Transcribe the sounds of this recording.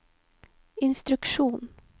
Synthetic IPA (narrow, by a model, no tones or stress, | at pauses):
ɪnst̪ɾʉkʂuːn